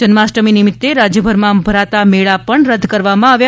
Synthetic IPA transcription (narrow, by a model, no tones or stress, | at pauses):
d͡ʒənmasʈəminɪmɪt̪ːeɾad͡ʒjəbʱəɾmãbʱəɾat̪ameɭapəɳɾəd̪ʱkəɾʋamãaʋja